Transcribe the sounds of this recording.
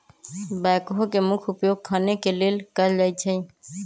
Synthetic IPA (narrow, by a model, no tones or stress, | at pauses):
bakoɦokemukʰupjoɡ̚kʰːanekelelkəɾd͡ʒajt͡ʃʰəj